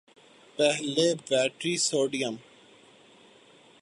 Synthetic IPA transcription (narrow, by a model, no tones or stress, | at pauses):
pɛɦlebɛːʈɾiːsoːɖijəm